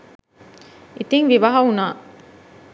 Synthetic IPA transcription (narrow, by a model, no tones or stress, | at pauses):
it̪iŋʋiʋɐɦɐunaː